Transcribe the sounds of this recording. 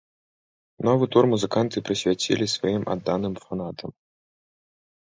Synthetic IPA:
nɔvɨt̪urmuzɨkant̪ɨpɾɨsʲvʲat͡sʲḭlʲisvajimʔa̰d̪ːanɨmfanat̪ʰɐm

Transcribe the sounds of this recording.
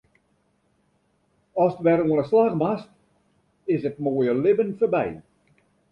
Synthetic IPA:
ɔstʋɛruənəslaxmast | ɪsət̚moːjəlɪbənfərbɛ̰j

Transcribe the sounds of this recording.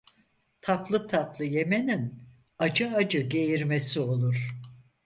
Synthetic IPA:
t̪ʰat̪lˠɯt̪ʰat̪lˠɯje̞menin | ad͡ʒɯad͡ʒɯɟe̞jiɾmesio̞lˠuɾ̥

